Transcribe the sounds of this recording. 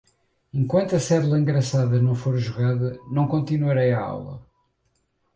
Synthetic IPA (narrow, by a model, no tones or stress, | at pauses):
ẽŋkwɐ̃nt̪uɐsɛðlˠɐẽŋɡɾɐsaðɐnɐ̃w̃foɾʒuɣaðɐnɐ̃w̃kõnt̪inwɐɾejɐa̰wlˠɐ̰